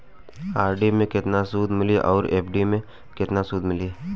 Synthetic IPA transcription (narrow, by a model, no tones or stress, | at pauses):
aːɾɖimẽkɪt̪nasuːd̪mɪliʔɔːɾeːpʰɖimẽ | kɪt̪nasuːd̪mɪli